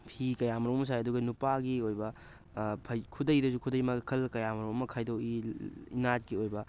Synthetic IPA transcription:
pʰikɐjamɐɾumɐmɐs̬ajɐduɡɐnupaɡiojbɐ | pʰɐjkʰudɐjdɐzukʰudɐjmɐkʰɐlkɐjamɐɾumɐmɐkʰajdowiinat̚ɡiojbɐ

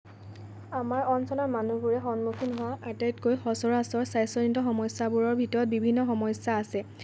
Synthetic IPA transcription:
amaɹɔnsɔlɔmanubuɹɛxɔnmukʰinɦʊwaʔatajtkojxɔsɔɹasɔɹsajsɔnintɔxɔmɔjsabuɹɔɹbʱitɔɹɔt̚bibʱinːɔxɔmɔjsaːsɛ

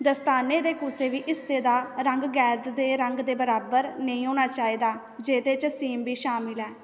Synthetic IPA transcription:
d̪əst̪aːneːd̪eːkʊseːʋiːʔɪsːeːd̪aːɾəŋɡɡɛːd̪d̪eːɾəŋɡd̪eːbəɾaːbəɾnəĩːɦoːɽ̃aːt͡ʃaːiːd̪aː | d͡ʒeːd̪eːt͡ʃsiːmbiːʃaːmɪlɦɛː

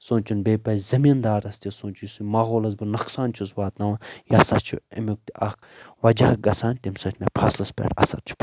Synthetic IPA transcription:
sõːnt͡ʃunbeːpɐzɐmind̪aːɾɐst̪ʲisoːnt͡ʃʰusumɐɣoːlɐz̬bɨnɐksaːnt͡ʃʰuzʋaːt̪nɐʋajɐsɐt͡ʃʰṵɐ̰mʲuk̚t̪iʔɐk̚ʰ | ʋɐd͡ʒaːɡɐsaːnʲt̪imsɐtʰʲmepʰaːsɐspʲḛʈɐ̰sɐ̰ɾt͡ʃʰu̥

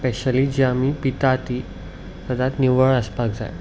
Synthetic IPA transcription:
pɛɕəliːd͡ʑamipit̪at̪i | t̪əd̪at̪niʋəɭəspak̚d͡za̰j

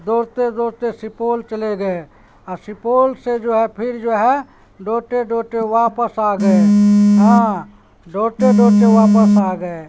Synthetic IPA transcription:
d̪oːɾt̪ed̪oːɾt̪esɪpoːlt͡ʃəleɡəe | ɔsɪpoːlsed͡ʒoɦɛpʰɪɾd͡ʒoːɦɛ | ɖoːʈeɖoːʈeʋapəsaːɡəeɦã | ɖoːʈeɖoːʈeʋapəsaːɡəe

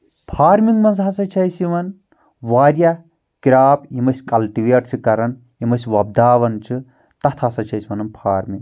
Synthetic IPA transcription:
pʰaːɾmiŋɡmɐnzasɐt͡ʃʰɐjsiʋɐn | ʋaːɾʲja | kiɾaːpjimɐsʲkɐlʈiʋeːʈt͡ʃʰikɐɾɐn | jimɐsʲʋɐb̚d̪aːʋɐnt͡ʃʰi | t̪ɐt̪ʰasɐt͡ʃʰɐjsiʋɐnɐnpʰaːɾmiŋ

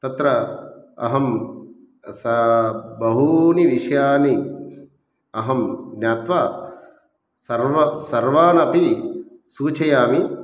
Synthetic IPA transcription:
t̪ɐt̪ɾɐɐ̰ɦɐm | sɐbɐɦuniʋiʂjaːni | ɐɦɐmnjaːt̪ʋaː | sɐɾʋɐsɐɾʋaːnɐpisuːt͡ʃɐjaːmi

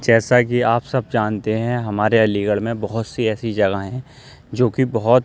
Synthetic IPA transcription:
d͡ʒɛːsak̬iaːpsɐb̚d͡ʒaːnt̪eɦɛ̃ɦɐmaːɾeɐliːɡəɭmẽbɐɦʊt̪siɛːsid͡ʒɐɡaɦɛ̃ | d͡ʒoːkibɐɦʊt̪

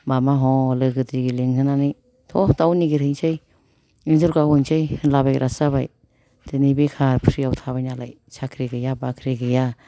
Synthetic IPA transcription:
mamaɦɔlɯɡɯdiɡiliŋhʰɯnanɯ | tʰɔtawniɡiɾɯŋsej | iŋzuɾɡawɯŋsʰejhɯnlabajɾʔasabaj | dɯnibikʰaɾpʰɾijawtʰaβajnalaj | sʰakʰɾiɡɯjabakʰɾiɡɯja

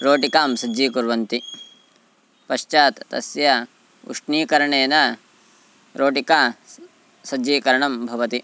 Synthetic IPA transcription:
ɾoːʈikaːmsɐd͡ʒiːkuɾʋɐnt̪i | pɐʃt͡ʃaːt̪ːɐ̰sjɐ | ṵʂɳiːkɐɾɐɳeːnɐ | ɾoːʈikaː | sɐd͡ʒiːkɐɾɐɳɐmbʱɐʋɐt̪i

